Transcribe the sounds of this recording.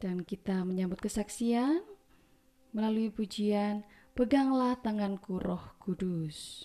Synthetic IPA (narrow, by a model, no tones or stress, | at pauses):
d̥ankit̪aməɲambʊt̪̚kəsaksian | məlaluipud͡ʒian | pəɡaŋlaht̪aŋankuɾʔɔhkudus